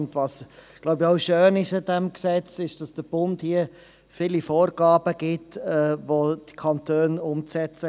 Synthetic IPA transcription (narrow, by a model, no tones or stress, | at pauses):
ndvɑːsɡ̥laʊbəɔʊʃøːnɪʃɪdɛmksɛt͡sɪʃd̥ɑsd̥əb̥ʊndhiə | filifoːrɡ̥ɑːbəɡ̥ɪtɛːʋod̥i̥kʰɑntʰøːnʊmt͡sɛt͡sə